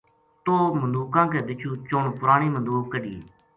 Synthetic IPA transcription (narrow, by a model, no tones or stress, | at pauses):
t̪oːmənd̪uːkãːkeːd̪ɪt͡ʃʰuːt͡ʃoɳpʊɾaːɳ̃iːmənd̪uːbkəɖḭː